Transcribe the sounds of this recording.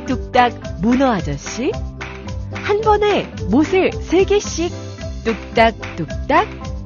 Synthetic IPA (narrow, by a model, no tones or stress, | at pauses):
t͈uk̚t͈ak̚munʌɦad͡ʑʌɕ͈i | hanbʌne̞mosʰɯɭsʰe̞ɡe̞ɕ͈ik̚ | t͈uk̚t͈ak̚t͈uk̚t͈ak̚